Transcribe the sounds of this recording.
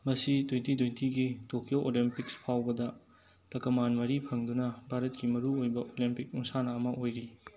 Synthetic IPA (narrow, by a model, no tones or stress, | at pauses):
mɐsitwentitwejntʰiɡitokʰioʔolimpikspʰawbɐdɐ | tɐkɐmanmɐɾipʰɐŋdunɐbʱaɾɐt̚kimɐɾuojbɐʔolimpik̚uŋsanɐɐmɐʔojɾi